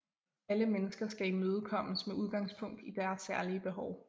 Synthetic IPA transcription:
æləmenəsɡ̥ɐsɡ̥æimøːð̞ˠkʰɒ̽m̰əsmeuð̞ˠɡ̥ɑ̈ŋ̰spʰɔ̽ŋ̰d̥id̥æɐsːæɐliəb̥e̝ɦɒʊ

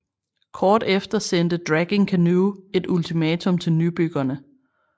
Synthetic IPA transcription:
kʰɒːd̥efd̥ɐsen̰d̥əd̥ʁæɡ̥e̝ŋkʰænuːe̝d̥ult͡sʰimɛːt͡sʰɔ̽mt͡sʰe̝lnyb̥yɡ̥ɐnə

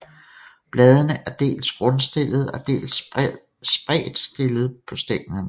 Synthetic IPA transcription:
b̥lɛːð̞ˠənəʔæɐd̥e̝̰ːlsɡ̥ʁɔ̽nsd̥e̝lð̞̩ˠæd̥e̝̰ːls | sb̥ʁɛ̰ːð̩ˠsd̥e̝ləð̞̩ˠpʰɒ̽sd̥eɡ̥nɐn

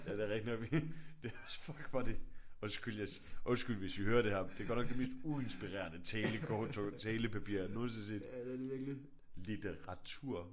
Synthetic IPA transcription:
jæde̝ɐʁɛɡ̥̚d̥inɒʋid̥e̝æsfɒɡ̥fɑd̥e̝ɔ̽nsɡ̥yljasʔɔ̽nsɡ̥ylʋe̝sʋihøːɐɾ̥e̝hæɐ̰d̥eɡ̥ɒ̰nɒ̽ɡ̥d̥e̝me̝̰ːsd̥ue̝nsb̥iʁḛɐnət͡sʰɛːləkʰɒːt͡sʰot͡sʰɛːləpʰæpḭːɐ̰noːn̩ˠsensḛd̥ʋiɐɡ̥li | lit͡seʁɑt͡sʰuɐ̰

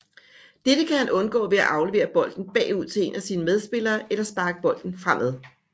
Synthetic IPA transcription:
d̥ed̥əkʰæhænʔɔ̽nɡ̥ɔ̰̽ːʋe̝æʔɑ̈ʊle̝ʋe̝̰ːɐb̥ɒ̽l̰d̥n̩b̥ɛ̰ːuð̞̰ˠt͡sʰe̝e̝̰ːnæsiːnəmeð̞ˠsb̥e̝lɐːʔelɐsb̥ɑ̈ːɡ̥əb̥ɒ̽l̰d̥n̩fʁam̰ʔæðˠ

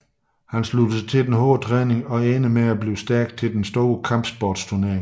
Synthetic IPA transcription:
hænslud̥ət͡sʰe̝ld̥enɦoːt͡sʰʁɛːne̝ŋɒ̽eːnəmeæb̥liːʊsd̥æɐɡ̥̚t͡sʰe̝ld̥ensd̥oːəkʰɑ̈mb̥sb̥ɒːd̥stʰuɐneɐ̰eŋ

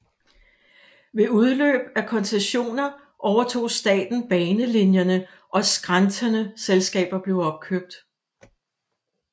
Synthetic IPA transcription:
ʋe̝uð̞ˠlø̰ːb̥ækʰɒ̽nseɕo̝̰ːnɐ | ʔɒʊɐt͡sʰo̝̰ːsd̥ɛ̰ːd̥n̩b̥ɛːnəlinjɐnə | ʔɒ̽sɡ̥ʁɑnt͡sʰɐnəselsɡ̥ɛ̰ːb̥ɐb̥le̝ʊɒ̽b̥̚kʰøb̥̚d̥

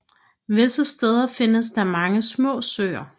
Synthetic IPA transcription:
ʋe̝səsd̥eːð̞ˠɐfe̝nəs̬d̥ɑ̈mɑ̈ŋəsmɔ̰̽ːsø̰ːɐ

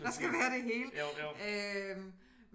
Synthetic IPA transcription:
d̥ɑ̈sɡ̥æʋæːɐɾ̥e̝ɦe̝̰ːløm

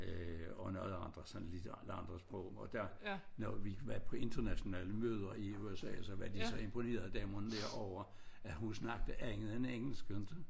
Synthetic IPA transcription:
øɒ̽nɔðˠɑ̈nd̥ʁɐsɒnlid̥ɑlɑ̈nd̥ʁɐsb̥ʁɔ̰ʊ̰mɒd̥æɐnɒʋiʋæpʰɒ̽e̝nd̥ɐnæɕo̝nɛ̰ːləmøːð̞ˠɐiuesɛ̰ːæsɒʋæd̥isɒ̽e̝mpʰo̝ne̝̰ːɐð̩ˠd̥ɛːmond̥æɐ̰ɒʊɐ | æɦunsnɑ̈ɡ̥̚d̥əæeŋəð̩ˠeneŋ̰l̩sɡ̥ønd̥

